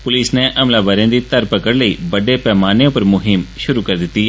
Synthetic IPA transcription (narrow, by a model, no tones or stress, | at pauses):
pʊlɪːsneːʔəmlaːbəɾjãːd̪iːt̪əɾpəkəɽləiːbəɖeːpɛːmaːnẽːʊpəɾmʊɦɪmʃʊɾuːkəɾd̪ɪt̪ːiː